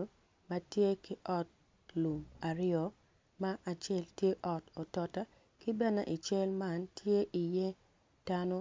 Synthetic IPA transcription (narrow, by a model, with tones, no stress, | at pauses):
ma˦tje˦ki˦ʔɔ˦t̚ | lu˨ma˨ɾɪɔ˨ | ma˦ʔa˨t͡ʃe˦˨ltje˦ʔɔ˨to˨tɔ˨ta˦ | ki˦bɛ˦na̰˨ʔi˨t͡ʃɛ˦lma˦ntʰje˦ʔi˨je˦ | d̥a˦no˦